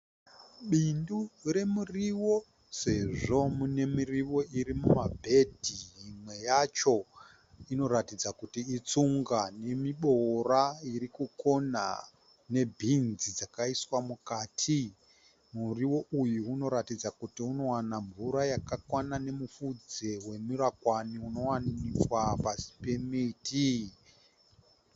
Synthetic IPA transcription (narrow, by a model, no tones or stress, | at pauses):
ɓindure̞muriwo̞ | se̞ʐo̞mune̞miriwo̞iɾimumabʱe̞dʱiimwe̞jat͡ʃo̞ | ino̞ratid͡zakutiːt͡suŋɡane̞miɓo̞raiɾikuko̞na̰ | ne̞bʱinzid͡zakaiswamukaːtʰi | muriwo̞ʔujuuno̞ɾatid͡zakutiuno̞wanaɱvuɾajakakwanane̞mufud͡ze̞we̞miɾakwaniuno̞wanikwapasi̥pe̞miti